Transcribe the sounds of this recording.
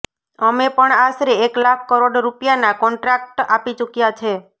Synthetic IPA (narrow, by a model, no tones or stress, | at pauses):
əmepəɳasɾeeklakʰkəɾoɽɾupjanakɔɳʈɾak̚ʈapit͡ʃukjat͡ʃʰe